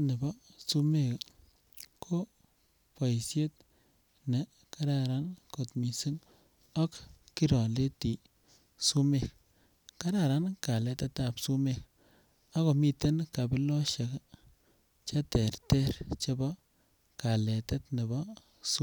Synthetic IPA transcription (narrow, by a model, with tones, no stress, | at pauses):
ne˨bɔ˦su˦me˦˨k | kʰo˦ | pa˨jsje˦t̚ | ne˨ | ka˦ɾa˦ɾa˦nko˨tmi˨si˦ŋ | ɔ˦kːi˦ɾɔ˨le˦ti˨ | su˦me˨k | ka˦ɾa˦˨ɾa˦nka˨lɛ˨te˦ta˨psu˦me˦k | a˦ko˨mi˦˨te˦nka˨bi˦lɔ˦ʃe˨k | t͡ʃa˦te˨ɾte˦ɾt͡ʃe˦bɔ˦ | ka˨le˨te˦tne˨bɔ˦ | su˦